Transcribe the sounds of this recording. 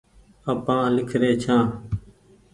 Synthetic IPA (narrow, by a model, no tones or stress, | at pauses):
əpãːlɪkʰɾeːt͡ʃʰãː